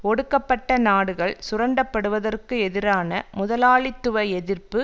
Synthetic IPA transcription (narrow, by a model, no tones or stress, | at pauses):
ɔɽɯkːɐpːɐʈːɐnaːɽɯɣɐɭsʊrɐɳɖɐpːɐɽɯʋɐðɐrkɯɛðɪɾaːnɐmʊðɐlaːɭɪt̪ːɯʋɐɛðɪrpɯ